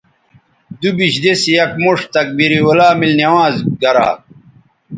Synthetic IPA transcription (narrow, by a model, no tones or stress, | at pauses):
d̪ubiɕd̪esijɐkmuʂt̪ɐk̚biɾiwolaːmilnɐwãːzɡɐɾa̰ː